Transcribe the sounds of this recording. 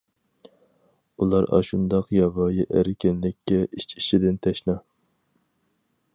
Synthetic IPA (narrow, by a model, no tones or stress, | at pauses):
ulˠɑɾɑ̰ʃund̪ɑqjɑvɑːjiʔæɾɪkʲɪnlɪkʲʰːɛʔit͡ʃʰiʃid̪ɪnt̪ʰɛʃnɑ